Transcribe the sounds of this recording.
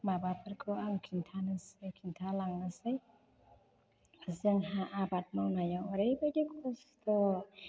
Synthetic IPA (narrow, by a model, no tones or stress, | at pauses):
mabapʰɯɾkʰɔaŋkʰintʰanasɯjkʰintʰalaŋnasaj | azɯŋɦaʔabat̚mawnajawɔɾejbadekʰɔstɔ